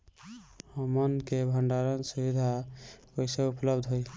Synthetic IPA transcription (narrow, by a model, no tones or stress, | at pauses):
həmənkebʱəɳɖaɾənsubid̪ʱakojseupləbd̪ʱɦoj